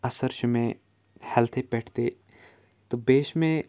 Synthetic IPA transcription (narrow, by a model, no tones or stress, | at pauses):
ɐsəɾʃʊmẽ | hɛlt̪ʰepɛːʈʰt̪e | t̪obeːʃmẽ